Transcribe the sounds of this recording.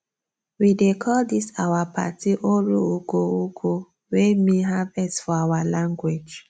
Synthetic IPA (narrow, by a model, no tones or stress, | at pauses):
widekʰɔldisawapʰa̰tiʔoɾuukoukʰo | wemiɦavɛsfɔawalãŋɡwed͡ʒ